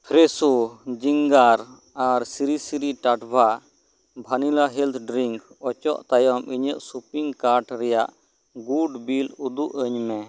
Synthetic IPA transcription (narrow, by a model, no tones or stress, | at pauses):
pʰɾɛsud͡ʒiŋɡaɾ | aɾsiɾisiɾiʈaʈbʱa | bʱanilaɦɛlt̪ʰɖɾiŋkɔt͡ʃɔ̰ʔt̪ajɔmʔiɲəʔsupiŋɡkaɾʈɾɛjaʔ | ɡuɖbilud̪uʔəɲmɛ